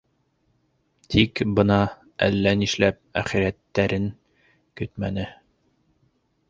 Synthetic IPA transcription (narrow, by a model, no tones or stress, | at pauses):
t̪ʰikbɤnɑ | æ̰lːæniʃlæp̚æχiɾæt̪ːæɾɘŋ | kɵt̪mænɘ